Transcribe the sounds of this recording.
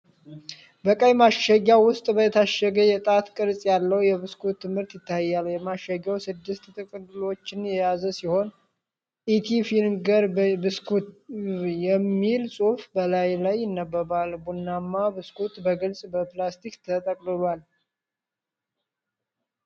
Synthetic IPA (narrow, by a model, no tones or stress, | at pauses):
bəkʼəjmaʃəɡːawwʊst̪ʼbət̪ʰaʃəɡəjɛt̪ʼat̪kʼɨɾsʼjalːəwjɛβɨskʰut̪ʰːɨmhɨɾt̪jɪt̪ʰːajːaljɛmaʃːəɡawsɨd̪ːɨst̪t̪ʼɨkʼɨlɨlo̞t͡ʃːɪnjɛjazəsiho̞n | ʔit̪ʰifinɡəɾbɨskʰut̪jɛmːilsʼufbəlajlajːɪnːəbːəβalbunːamːabɨskʰut̪bəɡɨlsʼbəplast̪ʰikt̪ʰət̪ʼəkʼlɨβal